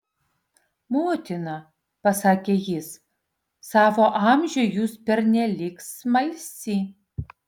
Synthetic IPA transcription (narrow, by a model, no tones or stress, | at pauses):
moːt̪ʲɪnɐ | pɐsɑːkʲeːjɪs | sɑːʋoːʔɑˑmʲʒʲʊjuːspʲɛɾnʲɛlʲɪksmɐɪsʲiː